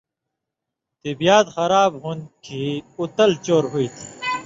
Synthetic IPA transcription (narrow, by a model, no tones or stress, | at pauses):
t̪ibijaːt̪xɐɾaːbɦun̚kʰiut̪ɐlt͡ɕoːɾɦuit̪ʰi̥